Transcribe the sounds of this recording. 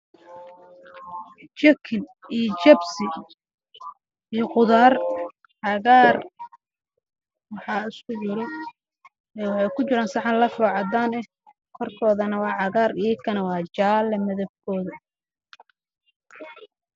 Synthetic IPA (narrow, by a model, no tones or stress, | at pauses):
t͡ʃɐkʰɪnijt͡ʃɐbsɪ | ijɔqʊðaːr | ʕɑɣaːr | wɑħɑːɪskʰʊʕʊɾɛ | ɛːwɑħɑjkʰʊt͡ʃɪɾaːnsɑħɑnlɐfɔːʕɑd̪aːnɛ | kʰɔrkʰɔːðɐnɐwɑːʕɑɣaːrijkʰɐnɐwɑːt͡ʃaːlɛmɐðɐb̚kʰɔːðɐ